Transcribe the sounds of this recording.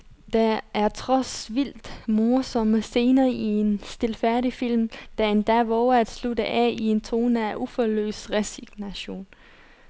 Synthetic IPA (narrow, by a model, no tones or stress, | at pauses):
d̥ææɐt͡sʰʁɒsʋil̰d̥mo̝ɐsɒ̽məse̝ːnɐːʔie̝nsd̥e̝lfæɐɾifil̰md̥æe̝nd̥æʋɒæd̥slud̥əʔɛ̰ie̝nt͡sʰʁo̝ːnæʔufɒlø̰ːsʁɛsiɡ̥næɕo̝̰ːn